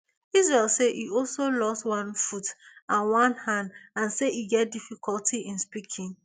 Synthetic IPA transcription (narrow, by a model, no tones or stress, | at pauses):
is̬ɹɛlseʔiɔlsolɔstwãnfutãnwãnhãndãnseiɡɛt̚difikʰɔltʰiĩnspikʰĩŋ